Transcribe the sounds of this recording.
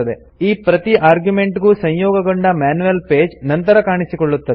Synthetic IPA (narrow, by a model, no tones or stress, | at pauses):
ɐd̪e | iːpɾɐt̪iʔaːɾɡjume̞ɳʈɡuːsɐɲjɔːɡɐɡoɳɖɐmaːnuʋɐlpeːd͡ʒnɐnt̪ɐɾɐkaːɳisikɔɭːut̪ːɐd̪e